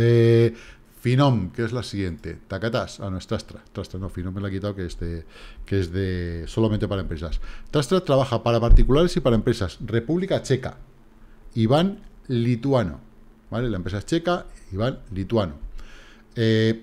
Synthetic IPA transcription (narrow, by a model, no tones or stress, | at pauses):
e | finõmkeezlasiɣje̞nt̪e̞̰t̪akat̪asanoest̪ɾast̪ɾat̪ɾast̪ɾanofinõ̞melaekit̪awkeezðe | keezðeso̞lamẽnt̪e̞paɾaempɾe̞sast̪ɾast̪ɾat̪ɾaβ̞axapaɾapaɾt̪ikulaɾe̞sipaɾaempɾe̞sasre̞puβlikat͡ʃe̞ka̰ | iβanlit̪wano̰ | bale̞laempɾesat͡ʃe̞kaiβanlit̪wano | e